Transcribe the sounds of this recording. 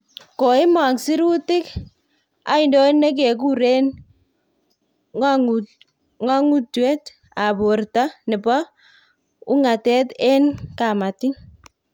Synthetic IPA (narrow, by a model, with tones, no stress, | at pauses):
ko˨ɪ˦ma˨ksi˦ɾu˦tɪ˦k | a̰˨˦ɪ˨ndo˦nnːe˦k̬e˨k̬u˦ɾe˦n | ŋa˦ŋu˦twe˦t | a˨bo˨rta˦nɪ˨bɔ˦ | ʊ˦ŋa˨tɛ˦te˦nka˨ma˨tɪ˦ŋ